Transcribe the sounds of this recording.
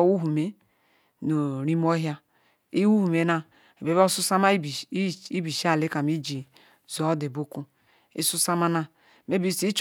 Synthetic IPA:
wu˦ɦu˨me˨ | no˨ɾi˦m˦o˦ɦja˦ | i˦wu˦hu˨me˨na˨ | e˨be˨˦bo˦su˦sa˦ma˦˨˦i˦bi˨ʃi˦a˦˨le˦ka˨mi˦d͡ʒi˨ | zo˨˦de˨bo˦ku˦ | ḭ˦su˦sa˦ma˦na˦ | me˦bi˦si˦i˦t͡ʃ

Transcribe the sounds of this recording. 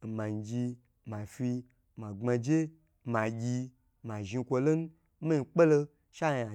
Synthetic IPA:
n̩˨ma˨n˨d͡ʒi˧ | ma˨fi˧ | ma˨ŋ͡ma˧d͡ʒe˦ | ma˨ɡʲi˧ | ma˨ʒi˧kʷo˧lo˦n˦ | ma˦i˧k͡pe˦lo˧ | ʃa˦ja˨

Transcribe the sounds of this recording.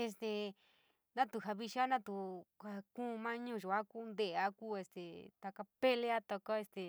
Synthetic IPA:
e˧s̬t̪e˧ | nã˦t̪u˨ɦa˧βi˧ʃa˦nã˦t̪u˨a˧˨kũ˦˨˧mã˦ɲũ˦˨ʒu˨a˦kuː˦nd̪e˦˨a˦ku˦e˧st̪e˨t̪a˧ka˧pe˦le˦a˦t̪o˧ko˦e˧st̪e˨

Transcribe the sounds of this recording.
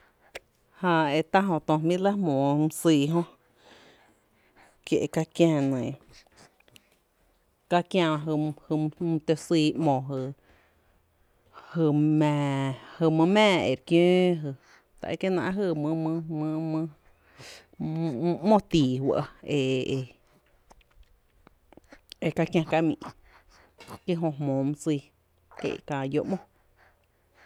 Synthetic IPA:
hã˧e˧˨t̪a˦ɦõ˧t̪õ˧mĩ˦la˦mõː˨˧mɨ̃˧siː˧˨ɦõ˦ | kje˧ʔka˧kjãː˧nẽ˨ | ka˧kjã˧ã˧ɦɨ˧hɨ˧m˧t̪e˧siː˧˦mɔ̃˨ɦɨ˧˨ | hɨ˧˨mɛ̃˨hɨ˧˨mɨ̃˧mɛ̃ː˦˨ḛ˨ɾkjõː˦ɦɨ˧˨ | t̪a̰˨e˧ke˦nã̰˧ʔɦɨ˧˨mɨ̃˧mɨ̃˧mɨ̃˧mɨ̃˧ | mõ˦t̪iː˨wa̰˧ʔe˧˨ʔe˧ | e˧ka˧kjã˧ka˧mḭ̃˨ʔ | ke˦ɦõ˧ɦmõː˨˦mɨ̃˦siː˧ | kḛ˧˨kã˧˨jo˧˦ʔmõ˦

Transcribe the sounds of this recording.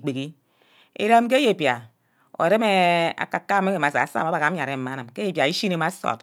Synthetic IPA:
k͡pe˨ki˦ | ḛ˨ɾa˦m˦k̬e˦je˨pja˨ | o̰˨ɾe˦me˦a̰˨ka˨kːa˦me˦e˨a˨˦sa˨a˨˦sa̰˦˨m˨a˦ba˨ka˨˦ɲ˦a˨ɾe˨m̩˦ma˨˦nɨ˨mke˦e˦˨pja˨i˦ʃi˦ne˨˦ma˦so̰˨t

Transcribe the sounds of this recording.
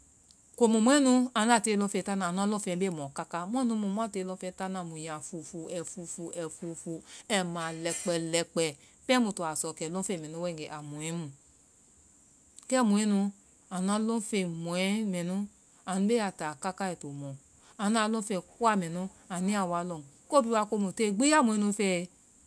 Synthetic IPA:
ko˧˨mu˨mũ˨˦ɛ˦nũ˧a˨n˦a˦˨te˨˦lõ˧˦fɛ˧ta˦na˨nũ˧a˧˦lo˦fɛ˧˦e˦˨mɔ̃˨ka˦ka˦m˦ɔ˦nũ˧˦mũ˧˨mu˦a˦˨te˧˦lõ˧˦fɛ˧˦ta˦nã˧˨mũ˨jã˨fu˨fu˨ɛ˨fu˨fu˨ʔɛ˨fu˨fu˧ɛ˧mã˨lɛ˨˧k͡pɛ˨lɛ˧k͡pɛ˨ | pɛ˦mũ˧tu˨a˨sɔ˨kɛ˨lõ˦fe˦˨mɛ̃˨nũ˦wɛ˦˨ɡɛ˨ʔa˨mũ˨ɛ˨˦mũ˧˨ | kɛ˦˨mu˨e˦nũ˧ | a˨nã˨˦lo˦fe˧mo˨ɛ˦mɛ˨nu˦ | a˨nũ˨˦be˦a˨ta˨ka˦ka˦ɛ˨to˨mɔ̃˨ | a˨na˧˦lo˦fɛ˧˨ku˦a˦˨mɛ˨nu˦a˨ni˦a˦˨wa˧˦lo˨ko˦bi˧˦wa˧ko˦mu˨te˦˨ɡ͡bi˦a˦˨mũ˨ẽ˧˦nu˧fɛ˦˧

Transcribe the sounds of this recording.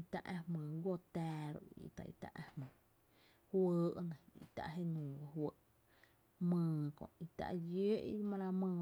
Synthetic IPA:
i˧t̪a˧ʔã˧hmə̃ː˨ɡʷo˦˧t̪ɛː˧ɾo̰˧ḭ˨t̪a̰˨ʔḭ˧t̪a̰˧ʔa˧hmə̃ː˨ | hwəː˧˦ʔnã˨ḭ˧t̪a̰˧˨ʔɦe˦nũː˨ɡa˧ɦwə˦ʔ | mə̃ː˧kõ̰˨ʔi˧t̪a̰˧ʔjə˦ʔḭ˧mã˧ɾa˧mə̃ː˧

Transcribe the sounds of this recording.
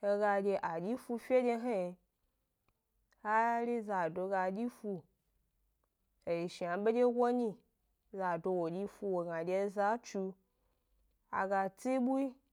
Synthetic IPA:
e˧ɡa˧d͡ʒʲe˧ʔa˨d͡ʒʲi˦fu˧fʲe˦d͡ʒʲe˧ɦe˦˧ | ha˦ɾʲi˦za˨do˧ɡa˧˨d͡ʒʲi˦fu˧ | e˨ji˨ʃi˨a˨ɓe˦d͡ʒʲe˦ɡʷo˦ɲi˧ | za˨do˧wo˨d͡ʒʲi˧fu˧wo˨ɡa˨d͡ʒʲe˧˦za˦t͡ʃu˧ | a̰˨ɡa˧t͡si˦ɓu˦i˦

